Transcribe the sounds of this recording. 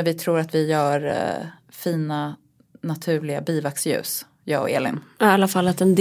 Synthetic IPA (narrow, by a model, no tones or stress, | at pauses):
vɪt̪ʰɾuːɾat̪vɪjœːɾ | fiːna | nat̪ʰʉ̟ːɭɪabiːvaksjʉ̟̰ːs | jɑ̰ːɔ̰ḛːlɪ̰nalːafalːat̪ɛnd̪